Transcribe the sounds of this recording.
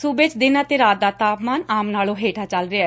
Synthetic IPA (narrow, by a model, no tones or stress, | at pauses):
sʊbɪt͡ʃd̪ɪnaːt̪eːɾaːt̪̚d̪aːt̪aːpmaːnaːmnaːlõːɦeːʈʰaːt͡ʃəlɾɪaː